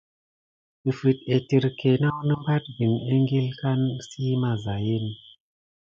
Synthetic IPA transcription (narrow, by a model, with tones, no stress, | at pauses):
i˨fɨ˨t̚e˨ti˨ɾke˨na˦wnɨ˦mba˦t̚ɡi˨ne˦ŋɡi˦lka˦nsi˦ma˨za˨ji˦n˨